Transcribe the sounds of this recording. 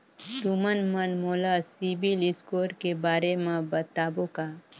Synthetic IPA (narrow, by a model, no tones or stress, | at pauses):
t̪umənmənmoːlasibiliskoːɾkebaːɾemãbət̪aːboka